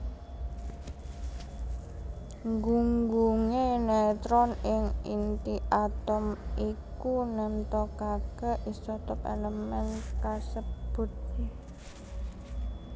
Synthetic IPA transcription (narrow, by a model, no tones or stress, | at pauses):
ŋɡuŋɡuŋenɛt̪ɾɔnɪŋint̪iʔat̪ɔmikunɛmt̪ɔkaɡ̥a̤ʔisɔt̪ɔpḛləmɛnkasəb̥ʊ̤t̪̚